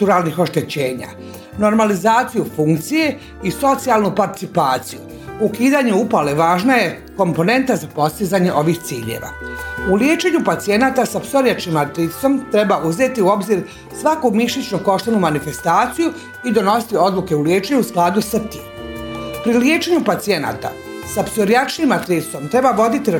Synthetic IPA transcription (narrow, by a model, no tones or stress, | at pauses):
t̪uɾalnixo̞ʃt̪e̞t͡ɕeːɲa̰ | no̞ɾmalizaːt̪sijufuŋkt̪sije̞ | iso̞t̪sialˠnupaɾt̪i̥t̪sipaːt̪siju | ukiːd̪aɲeupaleʋaːʒnaje̞ | ko̞mpo̞ne̞nt̪azapo̞st̪izaɲeʔo̞ʋixt̪siːʎḛʋa̰uljet͡ʃe̞ɲupat̪sie̞naːt̪asapso̞ɾijat͡ʃkimaɾt̪ɾit̪so̞mt̪ɾe̞baʔuze̞t̪iuo̞bziɾ | sʋakumiʃit͡ʃnoko̞ʃt̪enumanife̞st̪aːt̪siju | id̪o̞no̞si̥t̪io̞d̪luke̞uljeːt͡ʃeɲuusklˠaːd̪usat̪iːmpɾiljet͡ʃe̞ɲupat̪sije̞na̰ːt̪a̰ | sapso̞ɾjat͡ʃnimat̪ɾi̥so̞mt̪ɾe̞baʋo̞d̪it̪iɾ